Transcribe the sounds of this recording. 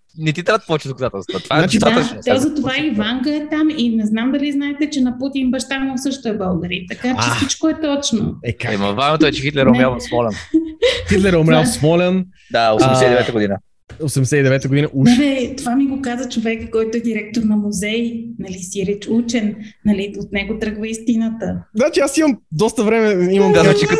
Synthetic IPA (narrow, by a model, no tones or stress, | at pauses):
nɛt̪it̪ɾavd̪̚pɔvɛt͡ʃd̪okɐzat̪ɛlˠst̪vət̪vaat͡ʃiaat̪zɐt̪ovaivaŋɡəɛt̪aminɛznamd̪ɐliznaɛt̪ɛt͡ʃɛnɐput̪inbɐʃt̪anosɤʃt̪oɛbɐlˠɡəɾit̪ɐkat͡ʃɛssit͡ʃkoɛt̪ɔt͡ʃno̰ɛkaɛmɐ̰vamɛt̪oɛt͡ʃɛxit̪lɛɾomɾalˠsmɔlɛnxit̪lɛɾomɾʲalˠsmɔlʲɛn | d̪aosɛɛsɛid̪ɛvɛt̪əɡod̪inə | osɛmd̪ɛsɛid̪ɛvɛt̪əɡod̪inəʔuaɾɛt̪ovamiɡokazɐt͡ʃovɛkəkɔjt̪oɛd̪iɾɛk̚t̪oɾnɐmuzɛjnɐlisiɾit͡ʃut͡ʃɛnːɐliot̪nɛɡot̪ɾɤɡvəist̪inət̪əznat͡ʃiasimɐmd̪ɔst̪əvɾɛmɛimɐmd̪azat͡ʃik